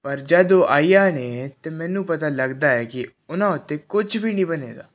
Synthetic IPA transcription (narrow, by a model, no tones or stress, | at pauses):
pəɾd͡ʒəd̪oːʔaːiːjaːneːt̪eːmɛ̃ːnũːpət̪aːləɡd̪aːɛːkɪ | ʊnãːʊt̪ːeːkʊd͡ʒbʱiːnĩːbənḛːd̪a̰ː